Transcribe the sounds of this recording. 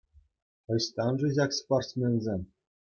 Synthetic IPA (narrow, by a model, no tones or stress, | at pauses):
ɤ̆ɕt̪ɑnʐɘ̆ʑɑksporsmʲenʲzʲemʲ